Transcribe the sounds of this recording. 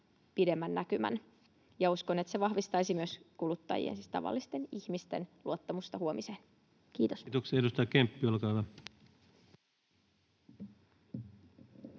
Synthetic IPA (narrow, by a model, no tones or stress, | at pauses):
pide̞mːænːækymæ̰n | jɑuskonet̪seʋɑhʋist̪ɑisimyøskulut̪ːɑ̰jḭḛnsist̪ɑ̰ʋɑ̰lːist̪e̞niçmist̪e̞nluot̪ːɑmust̪ɑhuomiseːn | kiːt̪ost̪oksedust̪ɑjkempːiolkɑʋɑ